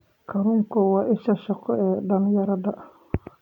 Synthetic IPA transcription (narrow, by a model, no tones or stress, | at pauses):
kʰɐɾʊŋkʰɔwɑːʔɪʃɐʃɐqɔɛːɖɐnjɐɾɐdɐ